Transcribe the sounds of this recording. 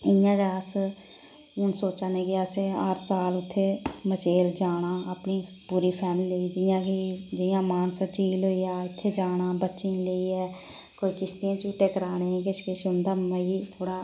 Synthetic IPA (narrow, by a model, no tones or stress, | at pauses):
ɪjãːɡaːs | ʊnsoːt͡ʃaːneɡɪaːseəɾsaːlʊt̪ʰːemət͡ʃeːld͡ʒaːnaːəpniː | puːɾiːpʰɛːmlileiːd͡ʒɪjãːkid͡ʒɪjãːmaːnsat͡ʃiːlɦoːiaːɪt̪ʰːed͡ʒaːnaːbətːʃĩleiɛː | koːikɪst̪iãːt͡ʃuːʈeːkəɾaːneːĩkɪʃkɪʃʊnd̪aːməit̪ʰoːɽaː